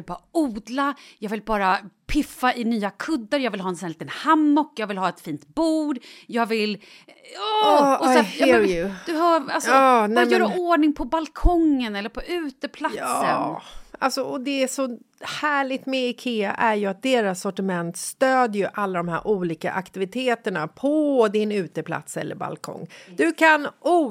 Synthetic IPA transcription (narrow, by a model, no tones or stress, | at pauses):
lbɑuːd̪lajɑːɡvɪlbɑːɾapʰɪfːaʔɪnyːakʰɵd̪ːəɾjɑːɡvɪlɦɑːɛnsnæːɭiːt̪ənhamːɔkːjɑːɡvɪlɦɑːɛt̪fiːnt̪buːɖjɑːɡvɪl | ɔsɛhɑjɵd̪ɵɦœa̰lsɔnjœːɖoːɖɳɪŋpʰɔbalkʰɔŋːənɛlːəɾpʰɔʔʉ̟ːt̪əpʰlajtɑssːə̰nʔalsɔɔd̪ɛɛʂɔhæːɭɪɡ̚t̪mɛɪkʰeːa̰ʔæɾjɵat̪̚d̪eːɾasːɔʈɪmɛnt̪st̪øːd̪əjɵʔalːad̪ɔmhæ̰ːɾʔuːliːka̰ʔakt̪ɪvɪt̪ʰeːt̪əɳapʰɔd̪ɪnʉ̟ːt̪əpʰla̰t̪sɛ̰lːə̰ɾba̰lkʰɔ̰ŋːd̪ɵkʰanʔu